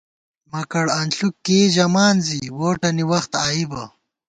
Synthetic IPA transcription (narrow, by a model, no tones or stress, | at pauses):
mɐkɐɽɐnɬukːeːʑɐmaːnziwoːʈɐniwɐxt̪aːibɐ